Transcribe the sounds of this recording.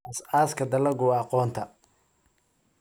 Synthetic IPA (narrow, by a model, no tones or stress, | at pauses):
ɐsaːskʰɐd̪ɐlɐɡʊɑqɔːnt̪ʰɐ